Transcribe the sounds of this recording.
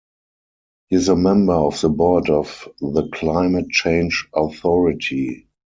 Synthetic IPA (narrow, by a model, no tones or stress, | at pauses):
hiɪzəmɛ̃mbə˞ɔfðəbɔːdɔfðəkʰlãɪ̃mət̚t͡ʃẽɪ̃nd͡ʒɔθɔɹɪtʰi